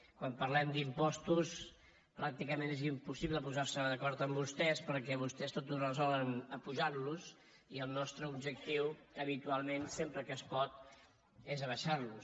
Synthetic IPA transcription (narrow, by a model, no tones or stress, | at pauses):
kwampəɾlɛmd̪impɔst̪us | pɾak̚t̪ikəmenezimpusiβləpuzaɾsəðəkɔɾt̪əmbust̪ɛspəɾkɛβ̞ust̪ɛst̪ot̪uzrəzɔlənəpuʒarluz | iəlˠnɔst̪ɾəubʒək̚t̪iwəβit̪ualˠmensempɾəkəːspɔt̪ | ezəβəʃaɾlus